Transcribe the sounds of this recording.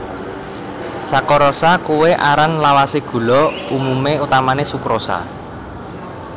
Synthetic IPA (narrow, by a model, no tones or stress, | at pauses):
sakɔɾɔsakuweʔaɾanlawaseɡ̥ṳlɔumumeut̪amanesukɾosa̰